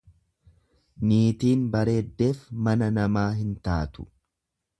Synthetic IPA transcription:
niːt̪iːnbɐɾe̞ːd̪ːe̞ːfmɐnɐnɐmaːɦɪnt̪aːt̪ʊ̥̰

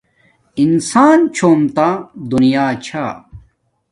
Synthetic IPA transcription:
insaːnt͡ɕʰoːmt̪ad̪unijaːt͡ɕʰaː

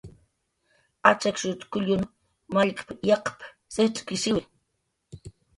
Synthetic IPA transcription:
at͡ʃakʃʊt̪kʊʎʊn | maʎkpjaqp | setʼkɪsɪwɪ

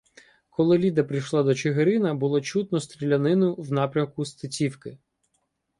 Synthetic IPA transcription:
kʰɔlˠɪlʲid̪ɐpɾijʃlˠɑd̪ɔt͡ʃeɦeɾɪnɐbʊlˠɔt͡ʃut̪nɔst̪ɾʲilʲɐnɪnʊwnɑpɾʲɐmkʊst̪ɐt͡sʲiwkɪ

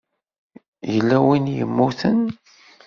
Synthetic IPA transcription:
jəlːæwinjə̰mːuθən

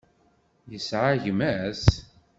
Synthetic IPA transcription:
jəsʕaʝmæs

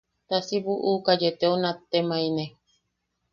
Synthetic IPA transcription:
t̪asiβuʔukad͡ʒet̪eonat̪ːemãinẽ

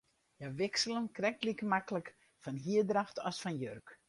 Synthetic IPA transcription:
jaʋɪksələnkrɛk̚tlikəmakələk | fɔnɦiədraxtɔsfɔnjørk

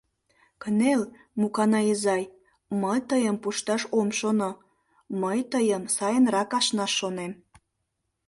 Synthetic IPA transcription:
kənel | mukɑnɑizɑj | məjt̪əjəmpuʃt̪ɑʃomʃono | məjt̪əjənsɑjənrɑkɑʃnɑʃːonem

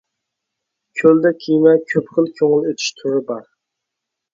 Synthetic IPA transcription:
kʲʰøld̪ɛkʲʰijmɛkʲʰøpχʰəlˠkʲʰøŋɨlˠøt̪ʰy̥ʃt̪ʰʊɾɨbɑɾ

